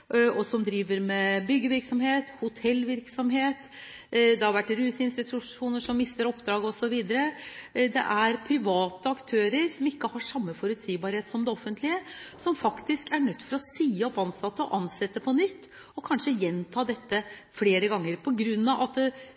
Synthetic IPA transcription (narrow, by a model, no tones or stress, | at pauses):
ɔsɔmd̪ɾiːʋəɾmɛbʏɡːəʋɪɾksɔmheːt̪hʊt̪ʰɛlːʋɪɾksɔmɦeːt̪ | d̪ɛhɑɾʋæʈːɾʉːsɪnst̪ɪt̪ʰʉʂuːnəʂɔmːɪst̪əɾɔpːd̪ɾɑːɡɔsɔʋiːd̪əɾəd̪ɛ̰ʔæɾpʰɾɪʋɑːt̪əɑkt̪ʰøːɾəɾsɔmɪkːəhɑʂɑmːəfɔɾʉt̪siːbɑɾheːt̪sɔmd̪ɛɔfːənt̪ʰlɪəsɔmfɑkt̪ɪskæɳœt̪ːfɔɾɔsiːɔpɑnsɑt̪ːəɔʔɑnsɛt̪ːəpʰɔnʏt̪ː | ɔkʰɑnʂəjɛnt̪ʰɑːd̪ɛt̪ːəfɽeːɾəɡɑŋːəɾpʰɔɡɾʉnːɑʋʔɑt̪